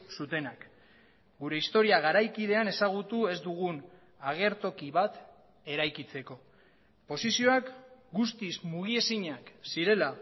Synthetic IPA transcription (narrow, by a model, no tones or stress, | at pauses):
sut̪e̞nak | ɡuɾe̞ist̪o̞ɾiaɣaɾajkið̞e̞ane̞saɣ̞ut̪ue̞zd̪uɣ̞un | aɣ̞e̞ɾt̪o̞kiβat̪ | e̞ɾajkit͡se̞ko̞ | po̞sisio̞akɡust̪izmuɣ̞ie̞siɲaksiɾe̞la